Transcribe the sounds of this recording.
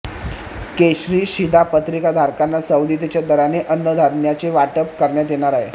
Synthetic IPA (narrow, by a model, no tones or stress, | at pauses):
keɕɾiːɕid̪ʱapət̪ɾikad̪ʱaɾkanːasəwd̪it̪̬it͡ɕjad̪əɾaneʔənːəd̪ʱaɾɳjat͡seʋaʈəp̚kəɾɳjat̪̬jeɽ̃aɾaɦe